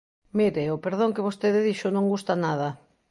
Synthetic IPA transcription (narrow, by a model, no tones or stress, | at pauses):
miɾeopeɾð̞õŋkeβ̞ost̪eðɪðiʃʊnõŋɡust̪anað̞ɐ